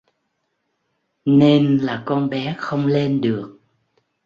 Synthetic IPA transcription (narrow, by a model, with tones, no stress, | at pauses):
ne˧nlaː˨˩kɔ˧nɓɛ˨˦xə˧wŋ͡mle˧nɗɨ˨˩ək̚